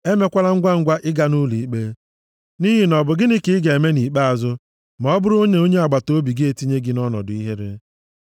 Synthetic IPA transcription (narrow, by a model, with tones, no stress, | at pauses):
e˦me˦kʷa˦la˦ŋ̩˦ɡʷa˦ŋ̩˦ɡʷa˦ʔɪ˦ɡa˨nu˦li˨i˦k͡pe˦ | ni˦ɦɪ˨nɔ˨bʊ˨ɡɪ˦nɪ˦kɪ˦ɪ˦ɡe˨e˨me˦ni˨k͡pa˦a˨zʊ˦ | ma˨ɔ˦bʊ˦ɾʊ˦o˦ɲe˦o˦ɲe˦a˨ɡ͡ba˨to˦bi˨ɡɪ˦e˨ti˦ɲe˦ɡɪ˨nɔ˦nɔ̰˨dʊ˨i˦ɦe˦ɾḛ˦